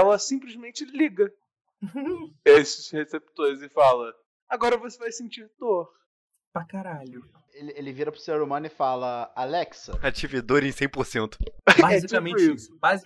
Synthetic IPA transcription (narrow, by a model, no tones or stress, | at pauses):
ɛlɐsĩplizmẽnt͡ʃɪliɡɐ | esɪshesep̚t̪oɾɪzɪfalɐ | aɡɔɾɐvosevajsĩnt͡ʃiɾt̪oɾ | pakaɾaʎʊ | elɪelɪviɾɐpɾʊseɾɾomɐ̃nʊɪfalɐalɛksɐat͡ʃivid̪oɾẽj̃sẽj̃poɾsẽnt̪ʊ̥baɛzikamẽisʊbaz